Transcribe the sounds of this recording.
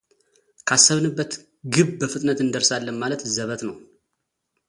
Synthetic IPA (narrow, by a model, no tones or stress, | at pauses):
kʰasːəβnɨbːət̪ | ɡɨβbəfɨt̪ʼnət̪ɨnd̪əɾsalːənmalət̪zəβət̪nəw